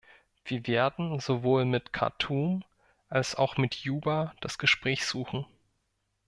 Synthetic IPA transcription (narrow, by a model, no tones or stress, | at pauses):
v̥iːɐveːɐdn̩zovoːlmɪtkʰa̰ɐtʰuːm | ʔalsa̰ʊxmɪtʰjuːbad̥asɡ̥əʃpʁ̥ɛːçz̥uːxn̩